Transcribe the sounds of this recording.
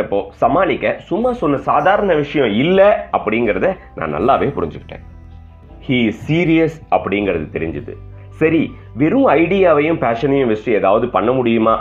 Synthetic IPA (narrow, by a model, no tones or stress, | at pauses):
ɐpːoːsɐmaːlɪkːɐsʊmːaːsɔnːɐsaːðaːɾɐnɐʋɪʂɐjɔ̃ɪlːɛɐpːɐɽɪŋɡɐɾɐðɛnã̰ːnɐ̰lːaːʋeːpʊɾɪɲd͡ʒɯkːɪ̥ʈːḛ̃ː | hiːɪssiːɾɪjɐsɐpːɐɽɪjŋɡɐɾɐðɯt̪ɛɾɪ̰ɲd͡ʒɯðɯ̰ | sɐɾi | ʋɛɾɯ̃ɐɪɽɪjaːʋɐjʊ̃mpaːʂɐnɐjʊ̃ʋɛsʈːɯeːðaːʋɐðɯpɐɳːɐmʊɽɪjɯmaː